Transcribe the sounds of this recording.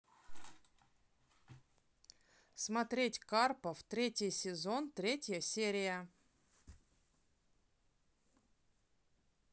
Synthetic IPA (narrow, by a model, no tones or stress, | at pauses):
smɐt̪ɾʲetʲkarpəft̪ɾʲetʲɪjsʲɪzo̞nt̪ɾʲetʲjəsʲeɾʲɪjə